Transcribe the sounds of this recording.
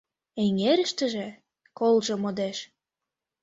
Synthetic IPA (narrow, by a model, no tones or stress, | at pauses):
eŋeɾə̆ʃt̪ə̆ʒĕ | kolʒĕmod̪eʃ